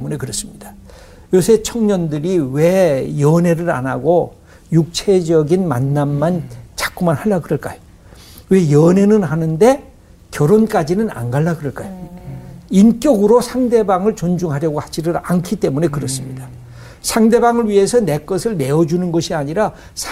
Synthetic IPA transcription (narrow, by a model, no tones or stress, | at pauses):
mune̞kɯɾʌs͈ɯmɲid̥a | josʰe̞t͡ɕʰʌŋɲʌndɯɾiwe̞jʌne̞ɾɯɾa̰naɡo | juk̚t͡ɕʰe̞d͡ʑʌɡinma̰nːamːant͡ɕḁk͈umanhaɭːakɯɾʌɭk͈ajo̥ | we̞jʌne̞nɯnɦanɯnde̞ | kjʌɾonk͈ad͡ʑinɯna̰nɡaɭːakɯɾʌɭk͈ajo | ink͈jʌɡɯɾosʰaŋde̞baŋɯɭt͡ɕond͡ʑuŋɦaɾjʌɡohad͡ʑiɾɯɾankʰit͈e̞mune̞kɯɾʌs͈ɯmɲida | sʰaŋde̞baŋɯɭɥiɦe̞sʰʌne̞k͈ʌsʰɯɭne̞ʌd͡ʑunɯnɡʌɕʰiaɲiɾa | sʰ